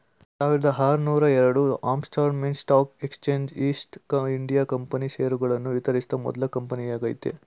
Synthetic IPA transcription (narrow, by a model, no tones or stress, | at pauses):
saːʋiɾɐd̪ɐɦaːɾunuːɾɐɛɾɐɽuaːmsʈʰaːɾnmeːnsʈaːpekst͡ʃeːɲd͡ʒiːsʈiɳɖijakɐmpɐniʃeːɾuɡɐɭɐnːuʋit̪ɐɾist̪ɐmɔ̰d̪ɐlɐkɐmpɐnijaːɡɐjḭt̪ːḛ